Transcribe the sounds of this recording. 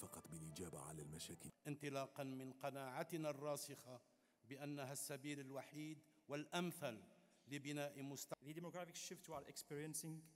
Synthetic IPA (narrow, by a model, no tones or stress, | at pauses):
fɑqɑt̪ˤbɪlʔɪd͡ʒaːbaʕa̰lalmaʃaːkɪʔɪnt̪ɨlɑːqɑnmɪnqɑnaːʕat̪narˤːɑːsɪxɑ | bɪʔanːaɦasːabiːlalwaħiːd̪wɪlʔamθalː | ɪbɪnaːʔɪmʊst̪aðəd̪ɪmoɡɾafɪkʃɪft̪walʔɪkspiɾjənsɪ̃ŋɡ